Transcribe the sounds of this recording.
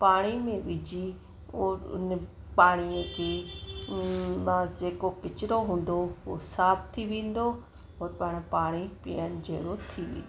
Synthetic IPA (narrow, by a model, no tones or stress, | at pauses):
paːɽ̃imẽʋɪd͡ʑi | oːɾʊ̰n | paːɽ̃iə̃keː | mãd͡ʒeːkokɪt͡ʃɪɾoɦũːnd̪oo̰saːbt̪ʰiʋẽːn̆d̪o | ɔːɾpəɽ̃paːɽ̃ipɪ̰jənd͡ʒḛːɽot̪ʰiːʋḭ̃ːo